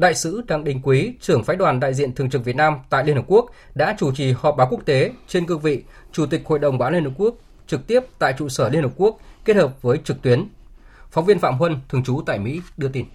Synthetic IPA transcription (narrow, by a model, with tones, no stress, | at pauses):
ɗa̰ː˧˨jsɨ̰˧˥ɗaː˨˩ŋɗï˨˩ŋ̟kwi˨˦t͡ɕɨ˧˩əŋfaː˨˦jɗwaː˨˩nɗa̰ː˧˨jzḭ˧˨ənt̪ʰɨ˨˩əŋt͡ɕɨ˨˩k̚vi˨˩t̚naː˧mt̪a̰ː˧˨li˧nhəː˨˩p̚ku˦˥ək̚ | ɗa̰ː˧˥t͡ɕu˧˩t͡ɕi˨˩hɔ˨˩p̚ɓaː˨˦wku˥ək̚t̪e˨˦t͡ɕe˧nkɨ˧ŋvḭ˧˨ | t͡ɕu˧˩t̪ï˨˩k̚ho̰˧˨jɗə˨˩wŋ͡mɓaː˨˦li˧nhə˨˩p̚ku˦˥ək̚ | t͡ɕɨ˨˩k̚t̪i˦˥əp̚t̪a̰ː˧˨jt͡ɕṵ˧˨səː˧˩li˧nhə˨˩p̚ku˦˥ək̚kːe˦˥t̚həː˨˩p̚vəː˨˦jt͡ɕɨ˨˩k̚t̪wi˨˦ən | fɔ˨˦wŋ͡mvi˧ənfa̰ː˧˨mɦwə˧nt̪ʰɨ˨˩əŋt͡ɕu˨˦t̪a̰ː˧˨jmḭ˧˥ɗɨ˧ət̪i˧˩n